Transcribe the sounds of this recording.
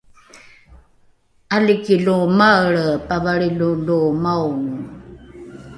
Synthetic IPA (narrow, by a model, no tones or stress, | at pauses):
alikiɮumaɭpavaɭilulumawŋ